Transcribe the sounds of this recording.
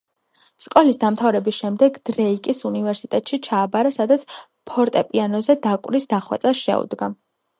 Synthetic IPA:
skʼɔlisd̪amt̪ʰavɾɛbisʃɛmd̪ɛɡd̪̥ɾɛikʼisunivɛɾsit̪ʼɛt̪ʼʃit͡ʃʰaːbaɾasad̪at̪sʰ | pʰɔɾt̪ʼɛpʼianɔzɛd̪akʼwɾisd̪aχwɛ̰t̪sʼasʃɛ̰ṵd̪ɡa

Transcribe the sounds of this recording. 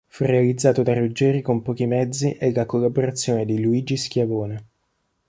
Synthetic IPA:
furealid̪zːaːt̪od̪arud͡ʒːɛːɾikompɔːk̟imɛd̪zːiʔelːakolːaboɾat̪sːjoːned̪iluiːd͡ʒiskjavoːne

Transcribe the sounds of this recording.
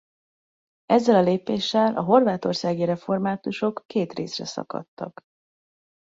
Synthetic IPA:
ɛzːɛlɒleːpeːʃːɛlʔɒɦo̞rvaːt̪o̞rsaːɡiɾɛfo̞rmaːt̪uʃo̞kːeːt̪rḛːsrɛsɒ̰kɒ̰t̪ːɒ̰k

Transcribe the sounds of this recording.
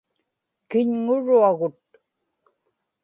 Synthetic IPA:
kɪɲŋʊɻuaɣʊt̪̚

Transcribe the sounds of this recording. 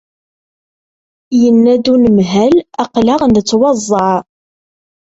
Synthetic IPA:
jənːæd̪unəmɦælæqlaʁnd̪ət͡sːwɑzˤːɑʕ

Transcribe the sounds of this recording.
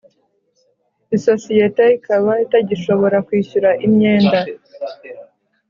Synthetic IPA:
iso̞sijeteikʰaβaitaɟiʃo̞βo̞ɾakwiːçuɾaʔimɲe̞ːnda

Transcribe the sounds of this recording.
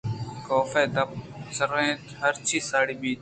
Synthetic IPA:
koːfeːd̪əp̚ | səɾẽːt̪ɦəɾt͡ʃʰiːsaːɽiːbiː

